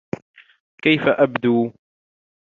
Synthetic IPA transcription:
kajfaʔabd̪uː

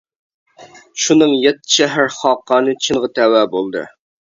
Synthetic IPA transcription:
ʃunɨŋjɛt̪ːɪ̥ʃɛɦæɾχɑːqːɑːnɨt͡ʃʰɨnʁɑt̪ʰæwæːbolˠd̪ɨ̰

